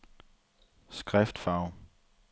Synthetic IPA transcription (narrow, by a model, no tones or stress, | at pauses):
sɡ̥ʁɛfd̥fɑ̈ʊ̰